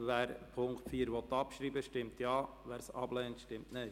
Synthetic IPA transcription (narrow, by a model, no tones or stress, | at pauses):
ʋæːɾpʰʊŋktfiːɾʋɔt̪ːɑpʃɾiːbəʃtɪmtjɑː | ʋæːɾsɑblɛːntʃtɪmtnɛɪ